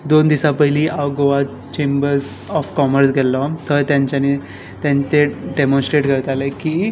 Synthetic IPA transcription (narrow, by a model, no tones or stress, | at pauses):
d̪ond̪isapəɦiliʔaʋɡoʋa | t͡ɕẽmbəɾs | ɔfkɔməɾs̬ɡʱelːɔt̪əɾt̪jãɲt͡ɕani | t̪jãɲt͡ɕeɖemɔ̃nsʈɾeʈkəɾt̪alekiː